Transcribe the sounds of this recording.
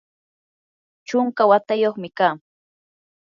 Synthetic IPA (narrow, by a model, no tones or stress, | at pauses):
t͡ʃʊŋkawat̪ajoχmɪkaː